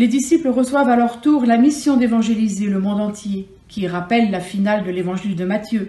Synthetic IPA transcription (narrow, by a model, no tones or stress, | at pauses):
led̪isipləʁəswavalœʁt̪uʁlamisjɔ̃d̪evɑ̃ʒelizeləmɔ̃d̪ɑ̃t̪je | kʲiʁapɛlːafinald̪əlevɑ̃ʒild̪əmat̪jø